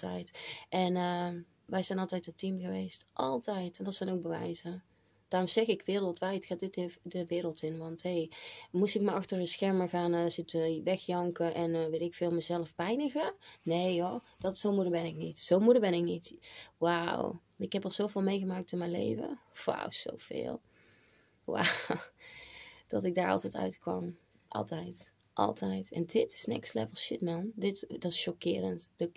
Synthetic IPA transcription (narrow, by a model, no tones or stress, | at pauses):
tɛ̰jtʔɛnə | ʋɛjzɛjnɑlˠtɛjtətimɣəʋejstʔɑlˠtɛjtɛndɔtsɛjnowk̚bəʋɛ̰jzə | d̥aːrɔmz̥ɛɣɪkʋɪːrəlˠtʋɛjtxaːtdɪtdəʋɪːɾəlˠtɪnʋɑntɦejmusɪkmaʔɑxtəɹəsxɛɹməɹɣaːnəzɪtəʋɛxjɑŋkəʔɛnʋɪlˠɪkfɪːlˠməzɛləfpɛjnəɣənejɔd̥ɑtsowmudəɹbɛnɪknitsowmudəɹbɛnɪk̚nitwaw | ɪkhɛpɑlˠz̥owvɪːlˠmejɣəmaːk̚tɪnmɛjnlḛjvə̰wa̰wz̥o̰wv̥ɪ̰ːlˠ | wa̰w | d̥ɑtɪɡ̚daːɹɑ̰lˠtɛjtœ̰ɥtkʋɑ̰m | ʔɑ̰lˠtɛjt | ʔɑ̰lˠtʰɛjtɛ̰ndɪtɪ̥snɪ̰kslɛ̰vəlˠʃɪt̚mɛndɪtdɑtɪ̥sʃɔkɪːɾəntdək